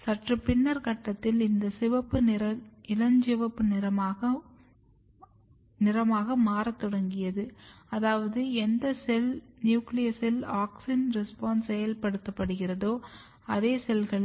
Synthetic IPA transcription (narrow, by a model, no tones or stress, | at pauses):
sɐʈrɯpɪɳːɐɾkɐʈːɐt̪ːɪlɪnd̪ɐsɪʋɐpːɯnɪɾɐɪlɐɲd͡ʒɪʋɐpːɯnɪɾɐmaːɣɐ | nɪɾɐmaːɣɐmaːɾɐt̪ːɔɽɐŋɡɪjɐðɯɐðaːʋɐðɯɛnd̪ɐsɛlnjuːklɪjɐsɪlaːksɪnɾɛspaːnsɛjɐlpɐɽɯt̪ːɐpːɐɽɯɣɪrɐðoː | ɐðeːsɛlɣɐɭɪ